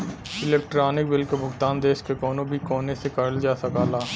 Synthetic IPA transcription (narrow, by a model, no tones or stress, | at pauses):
ɪlɛːk̚ʈɾaːnɪk̚bɪlkobʱʊɡt̪aːnd̪eːʃkekɔːnõbʱikɔːnesekɐɾəld͡ʒaːsɐkaːlaː